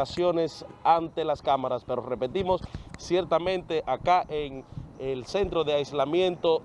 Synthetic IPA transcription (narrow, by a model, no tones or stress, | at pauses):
asjo̞ne̞sant̪e̞laskamaɾaspe̞ɾore̞pe̞t̪imo̞sːje̞ɾt̪amẽ̞nt̪e̞ʔakaʔeŋelse̞nt̪ɾoðeajzlamjẽ̞nt̪o̞